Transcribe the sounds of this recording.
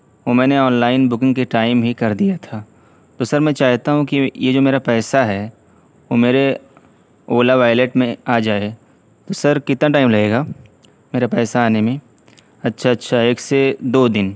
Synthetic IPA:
omɛ̃ːneɔːnlaːɪnbʊkɪ̃ŋɡkeʈaːɪmbʱikɐɾd̪ijat̪ʰaː | t̪osɐɾmɛ̃t͡ʃaːɦt̪aɦũkijed͡ʒoːmeːɾapɛːsaɦɛ | ʋomeːɾe | oːlaʋaːɪleːʈmẽaːd͡ʒaːe | t̪osəɾkɪt̪naʈ̬aːɪmlɐɡeːɡaː | meːɾapɛːsaaːnemẽ | ɐtːʃʰaɐtːʃʰaeːksed̪oːd̪ɪn

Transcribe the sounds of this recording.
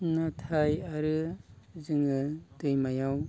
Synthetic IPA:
natʰajaɾɯ | zɯŋɯdɯjmajaw

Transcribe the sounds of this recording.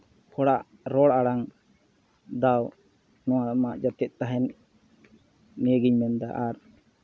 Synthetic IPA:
hʰɔɽaʔ | ɾɔɽaɽaŋ | d̪aw | nɔ̃wamaʔd͡ʒat̪ɛʔ̪̚ˀt̪aɦɛn | ijəɡiɲmɛnd̪aʔaɾ

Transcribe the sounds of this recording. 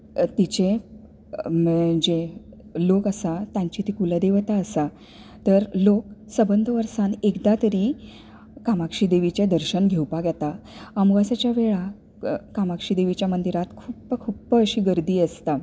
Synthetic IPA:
t̪it͡ɕe | md͡ʑe | lokəsat̪jãɲt͡ɕit̪ikuləd̪eʋt̪aəsa | t̪əɾlok̚səbənd̪ʱəʋəɾsanekd̪at̪əɾiː | kamakʂid̪eʋit͡ɕjed̪əɾɕənɡʱewpaɡjat̪aəmuɡasat͡ɕjaʋeɭa | kamakʂid̪eʋit͡ɕjamənd̪iɾat̪kʰupkʰupəɕiːɡəɾd̪iːəst̪a

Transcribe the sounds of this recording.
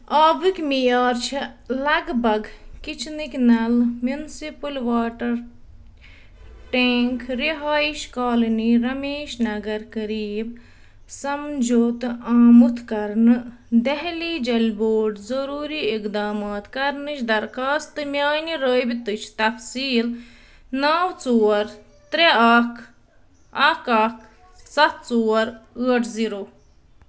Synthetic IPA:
aːbɨkʲmijaːɾt͡ʃʰilɐɡbɐɡkit͡ʃʰnikʲnɐlmjunsipɨlʋaːʈɐɾ | ʈeːŋkʰɾiɦaːiʃkaːlɐniɾɐmeːʃnɐɡɐɾkɐɾiːb | sɐmd͡ʒoːt̪aːmut̪ʰkɐɾnɨ | d̪ɐɦliːd͡ʒɐlʲboːʈzɐɾuːɾiːikd̪aːmaːt̪kɐɾnɨt͡ʃd̪ɐɾkaːst̪ɨmjaːniɾəːbit̪ɨt͡ʃʰt̪ɐfsiːl | naːwt͡soːɐɾ | t̪ɾeaːkʰ | ɐːkaːk | sɐt̪̚t͡soːɐɾəːɐʈʰziːɾoː

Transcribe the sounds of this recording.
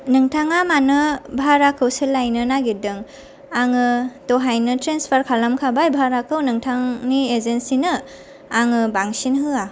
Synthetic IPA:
nɯŋtʰaŋamanɯbʱaɾakʰɯwselajnɯnaɡidɯŋ | aŋɯtɔɦajnɯtɾenspʰaɾkʰalamkʰabajbʱaɾakʰɯwnɯŋtʰaŋniezensinɯ | aŋɯbaŋsinɦɯa

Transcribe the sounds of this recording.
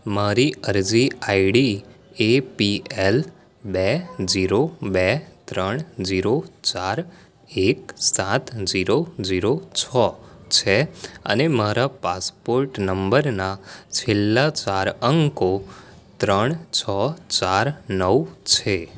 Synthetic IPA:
maɾiəɾd͡ʒiaiɽi | epiɛl | bɛd͡ʒiɾobɛt̪ɾəɳ̃d͡ʒiɾot͡ʃaɾ | ek̚sãt̪ʰd͡ʒiɾoziɾot͡ʃʰɔt͡ʃʰeə̰nemaɾapaspoɾʈnəmbəɾnat͡ʃʰɪlːat͡ʃaɾəŋɡko | t̪ɾəɳ̃t͡ʃʰɔt͡ʃaɾnəwt͡ʃʰe

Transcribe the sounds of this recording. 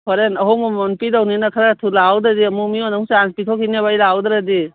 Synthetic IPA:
pʰɔɾenɐɦɔmɔɔnpidawninakʰaɾatʰulawdadiɐmumiɔnaŋseanspitʰɔkʰineβajlawd̪ɾadi

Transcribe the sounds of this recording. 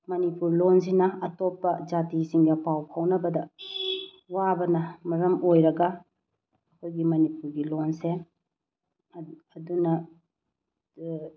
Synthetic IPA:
mɐnipuɾlons̬inɐɐtopːɐd͡ʒatisiŋdɐpawpʰawnɐbɐdɐ | wabɐnɐmɐɾɐmojɾɐɡɐ | ɐkʰojɡimɐnipuɾɡilonse | dunɐ

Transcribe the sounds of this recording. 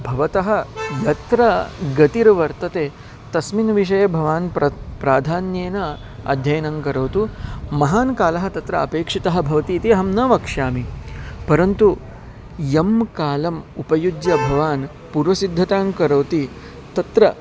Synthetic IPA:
bʱɐʋɐt̪ɐɦɐ̆jɐt̪ɾɐɡɐt̪iɾʋɐɾt̪ɐt̪eː | t̪ɐsminʋiʂ̬ɐjɐbʱɐʋaːnpɐpɾaːd̪ʱaːnjeːnɐ | ɐ̰d̪ʱjɐjɐnɐŋkɐɾɐwt̪umɐɦaːnkaːlɐɦɐ̆t̪ɐt̪ɾɐɐpeːkʂit̪ɐɦɐ̆bʱɐʋɐt̪iːt̪iɦɐmnɐʋɐkʂjaːmipɐɾɐnt̪u | jɐmkaːlɐmupɐjud͡ʒjɐbʱɐʋaːn | puːɾʋɐsid̪ʱːɐt̪aːŋkɐɾɐwt̪i | t̪ɐt̪ɾɐ

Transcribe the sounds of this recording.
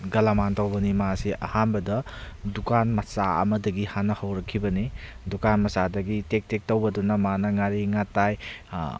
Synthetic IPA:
ɡɐlamantowbɐnimasiʔɐ̰hanbɐdɐdukanmɐsa̰ɐ̰mɐdɐɡihanːɐhɐwɾɐkʰːibɐni | dukanmɐsadɐɡitek̚tek̚towbɐdunɐmanɐŋaɾiŋataj

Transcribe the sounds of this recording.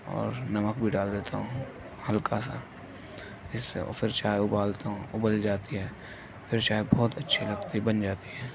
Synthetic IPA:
ɔ̰ːɾnɐməkbʱiɖaːld̪eːt̪aɦõ | hɐlkasa̰ | ɪsːḛfɪɾt͡ʃaːeʊbaːlt̪aɦõʊbəld͡ʒaːt̪iɦɛː | fʰɪɾt͡ʃaːebɔːt̪ɐtːʃʰilɐɡt̪ibɐnd͡ʒaːt̪iɦɛː

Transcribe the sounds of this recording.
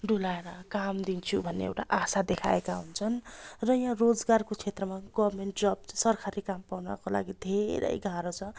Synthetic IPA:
ɖʱulaeɾʌkamd̪int͡sʰubʱʌnːḛḛwʈaʔasad̪ekʰa̰ekaɦunt͡sʰʌnrʌjãrod͡zɡarkot͡sʰet̪rʌmaɡʌbmeɳʈd͡zʌb̚sʌrkʰaɾikampawnʌ̰kola̰ɡid̪ʱeɾʌ̰jɡʱaɾot͡sʰʌ

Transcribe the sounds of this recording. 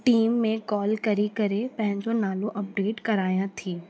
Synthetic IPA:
ʈiːmːẽkɔːlkɐɾikɐɾepɐ̃ɦɪ̃ɲd͡ʑonaːlõʔɐp̚ɖeːʈkɐɾaːjãt̪ʰiː

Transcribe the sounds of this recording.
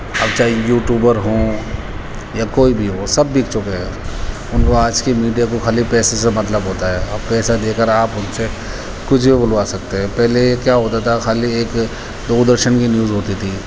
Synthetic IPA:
ɐbt͡ʃaːɦijuːʈjuːbəɾɦõː | jakoːibʱiɦosɐbːikt͡ʃʊkeɦɛ | ʊnkoaːd͡ʒkimiːɖijakoxalipɛːsesemɐt̪ləbɦoːt̪aɦɛːɔːpɛːsad̪eːkəɾaːpɦʊnse | kʊt͡ʃʰbʱibʊlʋasɐk̚t̪eɦɛ̃pɛɦleekjaːɦoːt̪at̪ʰaxaːlieːk | d̪oːd̪əɾʃənkinjuːzɦoːt̪it̪ʰiː

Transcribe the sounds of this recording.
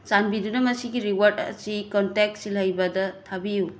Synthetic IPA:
sanbidunɐmɐsiɡiɾiwaɾdɐ̰sikontek̚silɐjbɐdɐtʰabiju

